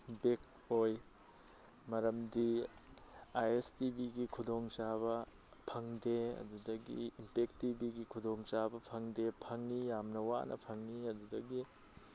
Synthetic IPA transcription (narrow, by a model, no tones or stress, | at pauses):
bek̚ | oj | mɐɾɐmdi | ajestibiɡikʰudoŋt͡ʃaβɐ | pʰɐŋdeɐ̰dudɐɡḭimpektibiɡikʰudoŋt͡ʃabɐpʰɐŋdepʰɐŋnijamnɐwa̰nʔɐ̰pʰɐŋniɐdudɐɡi